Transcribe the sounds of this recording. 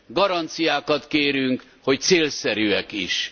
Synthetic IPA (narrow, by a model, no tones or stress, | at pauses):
ɡɒɾɒnt̪sijaːkɒt̪keːɾyŋk | ho̞c̚t̪seːlsɛɾyːɛkiʃ